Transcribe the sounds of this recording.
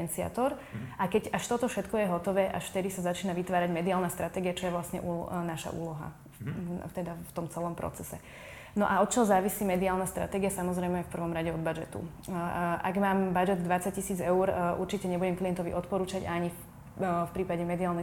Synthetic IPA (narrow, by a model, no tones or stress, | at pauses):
ɛnt͡sia̰t̪ɔɾʔakɛcaʃt̪ɔt̪ɔfʃɛt̪kɔjɛɦɔt̪ɔʋɛːʔaʃft̪ɛd̪isazat͡ʃiːnaʋit̪ʋaːɾaɟmɛd̪iaːlnast̪ɾat̪ɛːɡijat͡ʃɔjɛʋlasɲɛ̰ʔuːnaʃa̰ʔṵːlɔɦa̰ | t̪ɛd̪aft̪ɔmt͡sɛlɔmpɾɔ̰t͡sɛsɛ | nɔʔaɔt̪t͡ʃɔzaːʋisiːmɛd̪iaːlnast̪ɾa̰t̪ɛːɡiasamɔzɾɛjmɛfpr̩ʋɔmɾaɟɛɔd̪bad͡ʒɛt̪ṵ | ʔa̰ɡmaːmbad͡ʒɛd̪ːʋat͡sac̚cisiːd͡zɛuɾʔuɾt͡ʃicɛɲɛbuɟɛmklijɛnt̪ɔʋḭʔɔt̪̚pɔɾuːt͡ʃaɟaaɲi | fpɾiːpaɟɛmɛd̪iaːlnɛ